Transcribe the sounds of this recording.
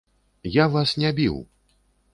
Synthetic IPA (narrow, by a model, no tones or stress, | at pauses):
javasnʲabʲḭw